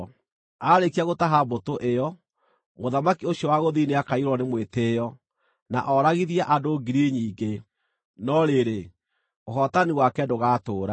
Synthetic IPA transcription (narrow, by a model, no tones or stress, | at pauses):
aɾekiaɣotaɦabotoʔejɔ | moðamakioɕjɔwaɣoðineakaiɾwɔnemweteːjɔ | na̰ʔɔːɾaɣiðiaʔadoɡiɾiɲiːɡe | nɔɾeɾe | oɦɔtaniwakɛdoɣaːtoːɾa